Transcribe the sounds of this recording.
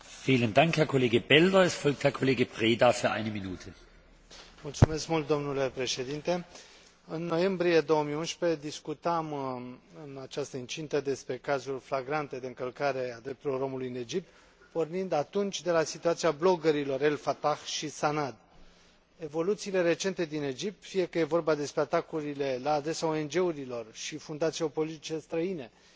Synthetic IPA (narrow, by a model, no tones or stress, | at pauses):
fiːləndaŋkhɛɐkʰoleːɡəbɛldɐɛstfɔlk̚t̪hɛɐkʰɔleːɡəpʁ̥eːdafyɐʔa̰ɪnəminuːtʰə | mult̪sume̞skmult̪̚d̪o̞mnule̞pɾe̞ʃe̞d̪int̪e̞ | ɨnːo̞je̞mbɾije̞d̪o̞wəmijunʃpe̞d̪iskut̪amɨnat͡ʃast̪əɨnt͡ʃint̪əd̪e̞spɾe̞kazulʲflaɡɾant̪e̞d̪e̞ɨŋkəlkaɾe̞ad̪ɾe̞p̚t̪ulo̞ro̞mulujɨne̞d͡ʒip̚t̪ | po̞rnind̪at̪unt͡ʃʲd̪e̞lasit̪uat̪siablo̞ɡəɾilo̞re̞lfat̪axʃisanad̪ | e̞vo̞lut̪siːle̞ɾe̞t͡ʃe̞nt̪e̞d̪ine̞d͡ʒip̚t̪fije̞kəje̞vo̞rbad̪e̞spɾe̞at̪akuɾile̞laːd̪ɾe̞sao̞e̞nd͡ʒe̞uɾilo̞rʃifund̪at̪siopo̞lit̪it͡ʃe̞st̪ɾəine̞